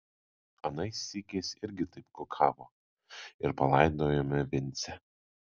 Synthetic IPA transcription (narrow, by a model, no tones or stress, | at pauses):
ɐnɐɪsʲikʲeːsʲɪɾʲɡʲɪt̪ɐɪp̚kʊkʰɑːʋoː | ɪɾpɐlˠɐɪd̪oːjoːmʲɛʋʲɪnʲt̪sʲɛ